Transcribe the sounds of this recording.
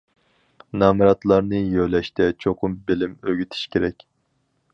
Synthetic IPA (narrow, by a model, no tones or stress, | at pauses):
nɑːmɨɾɑt̪lˠɑɾnɨjølɛʃt̪ʰɛt͡ʃʰoqʰʊmbelɪmøɡʲyt̪ʰi̥ʃkʲʰeɾɛkʲ